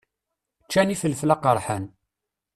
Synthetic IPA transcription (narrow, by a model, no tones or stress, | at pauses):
t͡ʃːæniθəlflɑqəɾˤħan